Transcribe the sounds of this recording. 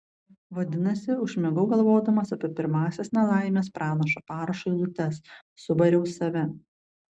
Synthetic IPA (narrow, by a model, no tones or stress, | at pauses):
ʋɐd̪ʲɪnɐsʲɪʊʃʲmʲɛɡʊɡɐlˠʋoːd̪ɐmɐsɐpʲipʲɪɾmɑːsʲesnʲɛlˠɑˑɪmʲeːspɾʔɑːnɐʃɐpɑːɾɐʃoɪlˠʊt̪ʲɛsː | ʊbɐɾʲɛʊsɐʋʲɛ